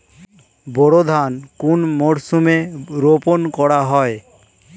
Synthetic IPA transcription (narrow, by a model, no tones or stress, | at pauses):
bɔɽod̪ʱankunmɔɽsumeɾopɔnkɔɽaɦɔe